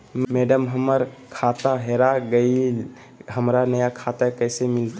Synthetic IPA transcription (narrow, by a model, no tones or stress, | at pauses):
mɛːɖəmɦəməɾkʰaːt̪aɦɛɾaɡəi | ɦəmɾanəjakʰat̪akɛːsemɪlt̪a